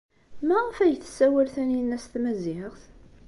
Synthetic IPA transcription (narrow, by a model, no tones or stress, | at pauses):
mæʁfæjθːə̥sːæwælθæninːæst̪mæzɪʁθ